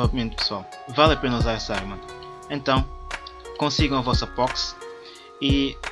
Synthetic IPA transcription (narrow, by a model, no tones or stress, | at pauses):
ɐpimẽnt̪̚pɨ̥swalˠ | valˠɐpenɐuzaɾsaɾmɐ̃ | ẽnt̪ɐ̃w̃kõsiɡɐ̃w̃ɐvɔsɐpɔks | i